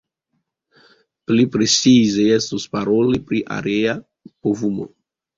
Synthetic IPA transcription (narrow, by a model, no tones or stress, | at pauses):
plipɾet͡sizeestuspaɾo̞lipɾiʔa̰ɾea | povumo̰